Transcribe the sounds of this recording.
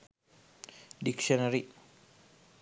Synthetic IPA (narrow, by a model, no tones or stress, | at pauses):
dikʃɔnaɾi